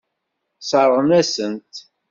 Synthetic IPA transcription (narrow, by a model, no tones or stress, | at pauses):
sɑɾˤʁnæsənt̪